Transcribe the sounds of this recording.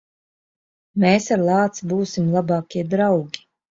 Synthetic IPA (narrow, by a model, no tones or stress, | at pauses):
meːsaɾlˠɑːt̪sbuːsimlˠabɑːkʲiɛd̪ɾawɡʲi̥